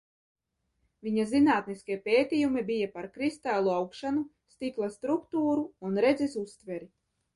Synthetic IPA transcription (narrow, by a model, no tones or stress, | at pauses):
viɲazinaːt̪niskiɛpʲeːt̪ʲijumibijapaɾkɾist̪alˠuawkʃanu | st̪iklˠast̪ɾukt̪uːɾuːnɾɛd̪zisust̪vɛɾi